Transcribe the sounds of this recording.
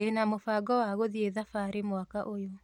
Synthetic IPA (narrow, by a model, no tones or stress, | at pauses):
enamofaːɡɔwaɣoðieðafaɾemwakaʔojo